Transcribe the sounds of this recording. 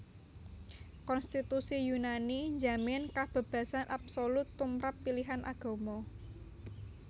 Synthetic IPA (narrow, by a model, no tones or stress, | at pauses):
kɔnst̪it̪usijunaniɲd͡ʒamɪnkab̥a̤b̥ä̤sanʔapsolʊt̪ːumɾapːiliɦanʔa̰ɡ̥o̤mɔ